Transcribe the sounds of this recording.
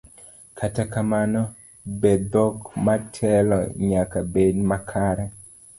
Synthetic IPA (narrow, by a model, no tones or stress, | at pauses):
kʰatakamanɔ | bed̪ɔkmatʰɛlɔ̰ɲakabedmakʰaɾɛ